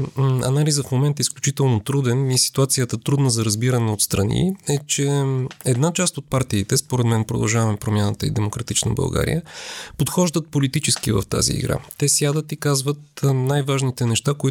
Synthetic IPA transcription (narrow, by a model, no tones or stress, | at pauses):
ɐ̰nalizəfmomɛnt̪əisklʲut͡ʃit̪ɛlˠnot̪ɾud̪ɛnisi̥t̪uat̪sijət̪ət̪ɾud̪nəzɐɾɐzbiɾənɛot̪st̪ɾɐnḭɛt͡ʃɛɛd̪nat͡ʃast̪ot̪̚paɾt̪iːt̪ɛspoɾɛd̪mɛnpɾod̪ɐ̰lˠʒavɐmɛpɾomʲjanət̪əḭd̪ɛmokɾɐt̪it͡ʃnə̰bɐ̰lˠɡa̰ɾḭjəpot̪xɔʒd̪ət̪̚polit̪it͡ʃɛskivə̰ft̪a̰zḭːɡɾa̰t̪ɛsjad̪ət̪ikazvət̪najvaʒnit̪ɛnɛʃt̪akoi